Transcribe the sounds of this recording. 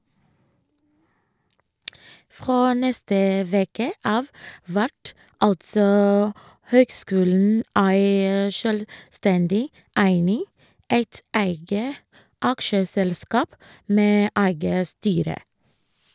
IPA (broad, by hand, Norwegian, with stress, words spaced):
ˈfɾoː ˈnɛstə ˈʋeːkə ˈɑːʋ ˈʋæʈ ˈɑltsɔ ˈhøːɡˌskʉːln̩ ˈæɪ ʃœlˈstɛndɪ ˈæɪnɪ ˈæɪt ˈæɪɡə ˈɑkʃəsɛlˌskɑːp ˈmeː ˈæɪɡə ˈstyːɾə